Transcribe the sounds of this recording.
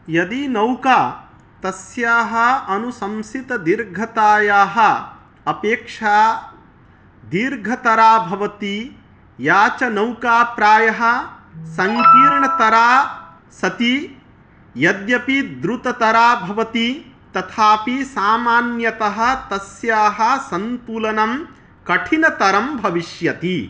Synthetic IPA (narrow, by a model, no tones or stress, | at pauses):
jɐd̪inɐwkaː | t̪ɐsjaːɦɐɐnusɐmsit̪ɐd̪iɾɡʱɐt̪aːjaːɦɐ̆ | ɐpeːkʂaː | d̪iɾɡʱɐt̪ɐɾaːbʱɐʋɐt̪i | jaːt͡ʃɐnɐwkaːpɾaːjɐɦɐ̆sɐŋkiːɾɳɐt̪ɐɾaː | sɐt̪i | jɐd̪jɐpid̪ɾut̪ɐt̪ɐɾaːbʱɐʋɐt̪i | t̪ɐt̪ʰaːpisaːmaːnjɐt̪ɐɦɐ̆t̪ɐsjaːɦɐ̆sɐnt̪uːlɐnɐm | kɐʈʰinɐt̪ɐɾɐmbʱɐʋiʃjɐt̪i